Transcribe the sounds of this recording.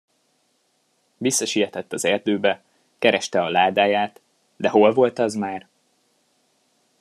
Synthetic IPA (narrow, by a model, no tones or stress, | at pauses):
visːɒʃijɛt̪ɛt̪ːɒzɛrd̪øːbɛ | kɛɾɛʃt̪ɛɒlaːd̪aːjaːt̪ | d̪ɛɦo̞lvo̞lt̪ɒzmaːr